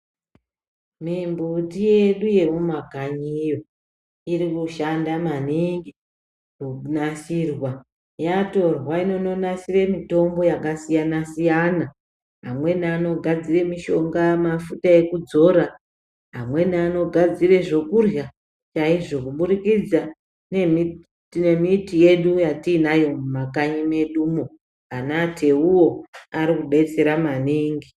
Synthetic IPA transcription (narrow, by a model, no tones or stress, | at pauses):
mimbutije̞ɗuje̞mumakaɲijo̞ | irikuʃandamaniŋɡi | kunasirwa | jato̞rwaino̞no̞nasire̞mito̞mbo̞jakasijanasijana | ɦamwe̞naaːno̞ɡʱad͡zire̞miʃo̞ŋɡamafutae̞kud͡zo̞ɾa | ɦamwe̞nano̞ɡʱad͡zire̞ʐo̞kurja | t͡ʃaiʐo̞kuɓuɾikid͡za | nemi | ne̞mitije̞ɗujatiːnajo̞mumakaɲime̞ɗumo | anatʰe̞uwo̞aɾikuɓe̞t͡se̞ɾamaniːŋɡi